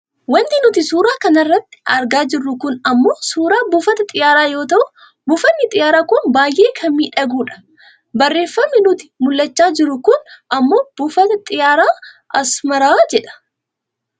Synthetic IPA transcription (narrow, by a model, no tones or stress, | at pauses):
wɐnt̪ɪnʊt̪ɪsuːɾaːkɐnɐrːɐt̪ːɪ̥ɐɾɡaːd͡ʒɪrːʊkʊnɐmːo̞ːsuːɾaːbʊfɐt̪ɐt̪ʼɪjaːɾaːjo̞ːt̪ɐʔʊ | bʊfɐnːɪt̪ʼɪjaːɾaːkʊnbaːjʔe̞ːkʰɐmmiːᶑɐɡuːᶑɐ̥ | bɐrːe̞ːfːɐmːɪnʊt̪ɪ̥mʊlːɐt͡ʃːaːd͡ʒɪɾʊkʊnʔɐmːo̞ːb̥ʊfɐt̪ɐt̪ʼɪjaːɾaː | ʔɐsmɐɾaːd͡ʒɛᶑɐ̥